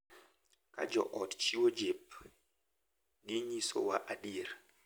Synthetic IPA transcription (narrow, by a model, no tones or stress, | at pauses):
ka̰d͡ʒɔ̰ʔɔtt͡ʃiwod͡ʒep̚ | ɗiɲiso̰waʔaɗiɾ